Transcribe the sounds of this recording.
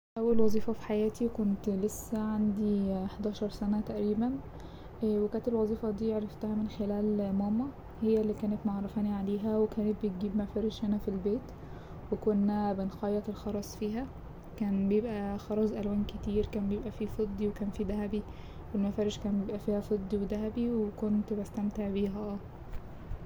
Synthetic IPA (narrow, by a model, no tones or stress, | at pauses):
ʔæwːælwɑzˤiːfɑfi̥ħajæːt̪ʰikont̪lesːæʕand̪iħd̪æːʃɑɾˤsænæt̪æʔɾiːbæn | wekæːnt̪elwɑzˤiːfɑd̪iːʕɾˤɑft̪æhæmenxelæːlmɑːmɑ | hejːælːikæːnet̪moʕɑrˤːɑfæːniʕaleːɦæwekæːnet̪̚bet̪̚ɡiːbmæfæːɾeʒhænæfilbeːt̪ | wekonːæbenxɑjːɑt̪elxɑɾˤɑsˤfiːɦæ | kæːnbejebʔæxɑɾˤɑzʔælwæːnket̪iːɾkæːnbejebʔæfiːfed̪ˤːiwekæːnfiːd̪æɦæbi | welmæfæːɾeʃkæːnbjebʔæfiːhæfed̪ˤːiwed̪æɦæbiwekont̪bæst̪æmt̪eʕbiːɦæʔæː